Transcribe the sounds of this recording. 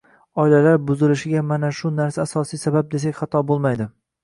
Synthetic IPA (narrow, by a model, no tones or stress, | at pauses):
ɒɪlalaɾbʊzɪlɪʃɪɡʲamanaʃʊnaɾsaːsɒsijsabab̚d̪e̞sakʲχɑt̪ʰɒbolˠmajd̪ɪ